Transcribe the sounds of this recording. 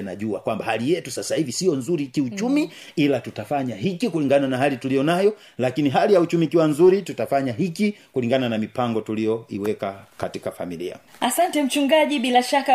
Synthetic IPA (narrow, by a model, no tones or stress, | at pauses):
na̰ʄua̰kwambahalijɛtusasahivisiɔnzuɾikiut͡ʃumiilatutafaɲaɦikikuliŋɡananaɦalitulijɔnajɔ | lakiniɦalijaut͡ʃumiːkiwanzuɾitutafaɲaɦikikuliŋɡananamipaŋɡɔtulijɔiwɛkakatikafa̰milḭa̰ | asantɛm̩t͡ʃuŋɡaʄiɓilaʃaka